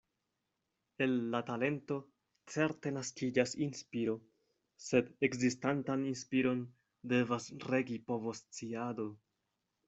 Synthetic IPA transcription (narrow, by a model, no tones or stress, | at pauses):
e̞nːatale̞nto̞ | t͡se̞ɾte̞naskid͡ʒasinspiɾo̞ | se̞dekzistantaninspiɾo̞n | de̞vasɾe̞ɡipo̞vo̞st͡siado̞